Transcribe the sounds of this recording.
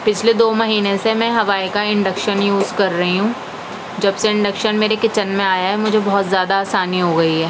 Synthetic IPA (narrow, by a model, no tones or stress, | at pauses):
pɪt͡ʃʰled̪oːmɐɦiːnẽsemɛ̃ɦɐʋaːikaɪ̃ɳɖəkʃənjuːzkɐɾːɐɦiɦũː | d͡ʒɐbseɪ̃ɳɖəkʃənmeːɾekɪt͡ʃənmẽaːjaɦɛmʊd͡ʒʱebɔɦɔt̪zjaːd̪aːsaːniɦoɡɐiɦɛː